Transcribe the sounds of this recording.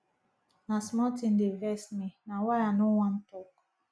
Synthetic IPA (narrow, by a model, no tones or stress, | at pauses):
nasmɔtindevɛsminawajanowãn̩tɔk